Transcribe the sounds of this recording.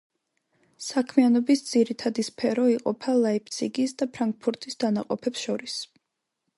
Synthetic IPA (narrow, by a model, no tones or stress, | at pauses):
sakʰmianɔbisd̪z̥iɾit̪ʰad̪ispʰɛɾɔiqʼɔpʰalˠaipʰt̪sʰiɡisd̪apʰɾaŋk̚pʰuɾt̪ʰʼisd̪̥anaqʼɔpʰɛpsʃɔɾis